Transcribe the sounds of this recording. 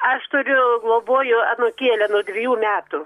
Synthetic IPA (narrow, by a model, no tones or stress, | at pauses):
ɐʃt̪ʊɾʲʊɡlˠoːboːjʊɑnoːkʲiɛlʲɛnuɔd̪ʲʋʲɪjuːmʲæːt̪ʊ